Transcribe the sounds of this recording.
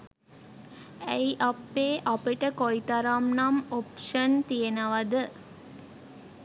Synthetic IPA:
æjʔapːeːʔapəʈəkoit̪aɾamnamopʂənt̪ijenəʋad̪ə

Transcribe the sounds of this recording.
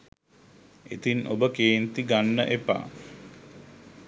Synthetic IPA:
et̪inʔo̰bəkeːnt̪iɡanːəʔepa̰ː

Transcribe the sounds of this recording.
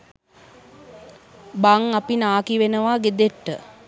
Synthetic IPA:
baŋapinaːkiʋenəʋaːɡed̪eʈːə̰

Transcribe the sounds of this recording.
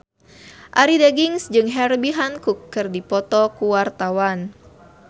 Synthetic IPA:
ʔaɾideɡiŋsd͡ʒɨŋɦɛrbiɦankukːɨrdipɔt̪ɔkuwart̪awan

